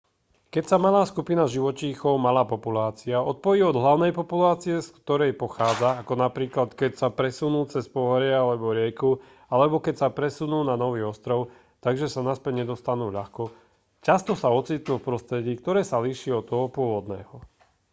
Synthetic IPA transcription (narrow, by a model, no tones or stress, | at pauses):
kɛcsamalaːskupinaʒiʋɔt͡ʃiːxɔʊmalaːpɔpulaːt͡siaɔt̪̚pɔjiːɔd̪ɦlaʊnɛjpɔpulaːt͡siɛskt̪ɔɾɛjpɔxaːd͡zaːkɔnapɾiːklat̪kɛcsapɾɛsunuːt͡sɛspɔɦɔɾɪaalɛbɔɾɪɛku | alɛbɔkɛcsapɾɛsunuːnanɔʋiːɔst̪ɾɔʊ | t̪aɡʒɛsanaspɛɲɛd̪ɔst̪anuːʎaxkɔ | cast̪ɔsaɔt͡siːt̪nufpɾɔst̪ɾɛɟiːkt̪ɔɾɛːsaliʃiːɔt̪ːɔɦɔpʊɔʋɔd̪nɛːɦɔ